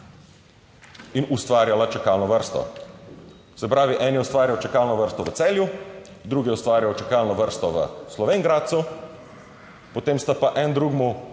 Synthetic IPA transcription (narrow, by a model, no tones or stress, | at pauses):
inust̪ʋaːɾjalat͡ʃɛkaːlnɔʋəɾst̪ɔ̰ | sɛpɾaːʋiʔɛnijɛust̪ʋaːɾjawt͡ʃɛkaːlnɔʋəɾst̪ɔʋət̪sɛːljud̪ɾuːɡiɛust̪ʋaːɾjawt͡ʃɛkalnɔʋəɾst̪ɔʋə̰slɔʋeŋɡɾaːt̪̚su | pot̪eːmst̪apaʔɛnd̪ɾuɡmu